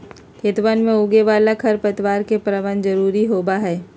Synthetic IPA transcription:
kɪt̪ʋənmẽʊɡeʋaːlakʰɐɾpɐt̪ʋaːɾkepɾəʋand͡ʒɐɾuːɾiɦoːbaɦɛː

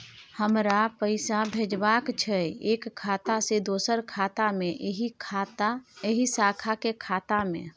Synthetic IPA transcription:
həmɾapəɪsabʱed͡ʒbakt͡ʃʰəekʰːat̪ased̪osəɾkʰat̪ameʔɦi | eɦisakʰakekʰat̪amḛ

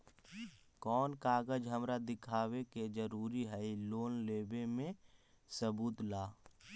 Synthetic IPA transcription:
kɔːnkaːɡəd͡ʒɦəmɾad̪ɪkʰaːweked͡ʒəɾuːɾiɦɛiloːnleːbemẽ | səbuːt̪laː

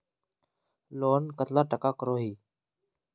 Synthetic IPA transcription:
loːnkət̪laːʈəkaːkəɾoːɦiː

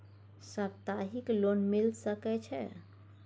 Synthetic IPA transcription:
səbt̪aɦikloːnmɪlsəkɛt͡ʃʰɛ̰

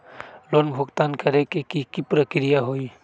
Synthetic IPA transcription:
lonbʱuɡt̪ankəɾekekikipɾəkɾijaɦoj

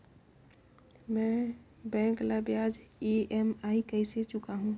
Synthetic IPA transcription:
mɛ̃bɛ̃ːŋkləbjad͡ʒeemaːikəɪset͡ʃʊkaɦũ

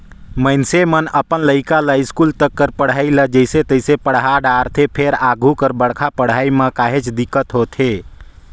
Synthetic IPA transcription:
mənsemənəpənləikaləjskult̪əkːəɾpəɽ̤ailəd͡ʒəɪset̪əjsepəɽ̤ɦaɖaɾt̪ʰepʰeɾaɡʱukəɾbəɽkʰapəɽ̤ajmekaɦet͡ʃd̪ikːət̪ɦot̪ʰe

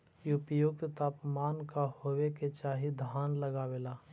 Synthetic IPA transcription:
iʊpjʊk̚t̪t̪aːpmaːnkahoːweket͡ʃaːɦid̪ʱaːnləɡaweːlaː

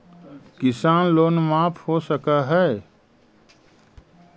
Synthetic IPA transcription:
kɪsaːnloːnmaːpʰhosəkaɦɛ

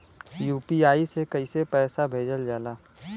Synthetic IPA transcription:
juːpiaːisekəisepɛːsabʱeːd͡ʒəld͡ʒaːlaː

